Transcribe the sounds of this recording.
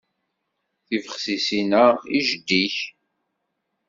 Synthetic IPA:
θivəχsisinæiʒəd̪ːiç

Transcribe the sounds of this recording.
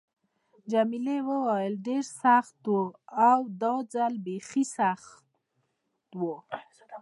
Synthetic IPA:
d͡ʒamilewəwajəlɖeɾsaxt̪woawd̪ɑd͡zalbexisax | t̪wo

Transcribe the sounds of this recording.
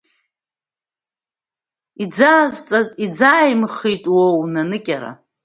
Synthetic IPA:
id͡zaːzt͡sʼazid͡zajmχitʼwownanɨkʲʼaɾa̰

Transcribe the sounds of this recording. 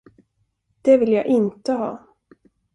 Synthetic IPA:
d̪̥ɛvɪljaːɡʔɪnt̪əɦɑ̰ː

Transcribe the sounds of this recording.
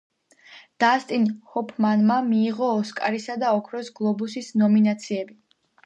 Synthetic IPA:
d̪̥ast̪ʼinhɔpʰmanmamiːʁɔːskʼaɾisad̪aɔkʰɾɔsɡlˠɔbusisnɔminat̪sʰiɛbi

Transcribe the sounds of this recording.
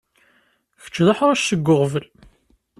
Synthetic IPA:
çə̥t͡ʃːðɑħɾˤæʃsəɡːʊʁvəl

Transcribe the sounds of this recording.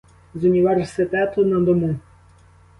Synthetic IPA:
zunʲiʋɛrsɪt̪ɛt̪ɔnɐd̪ɔmu

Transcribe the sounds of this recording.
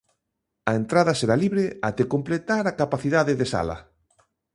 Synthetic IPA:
ɐent̪ɾaðɐseɾaliβɾeat̪ekomplet̪aɾakapaθiðaðɪðesa̰lɐ̰

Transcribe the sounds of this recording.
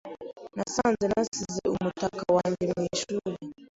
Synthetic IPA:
nasanzɛnasiziumutakawaɲd͡ʒɛmɛʃuli

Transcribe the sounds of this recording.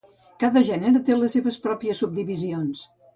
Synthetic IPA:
kaðəʒɛnəɾət̪eləsːeβəspɾɔpiəsub̚d̪iβizions

